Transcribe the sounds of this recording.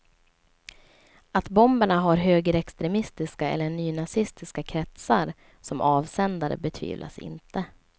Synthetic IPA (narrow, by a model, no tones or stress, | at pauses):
at̪bɔmbəɳaɦaɾɦøːɡəɾɛkst̪ɾɛmɪst̪ɪskaɛ̰lːəɳyːnasɪst̪ɪskakʰɾɛt̪saɾ | sɔmʔɑːvsɛnd̪aɾə̰bɛt̪ʰvḭːvlʔa̰sɪ̰nt̪ʰə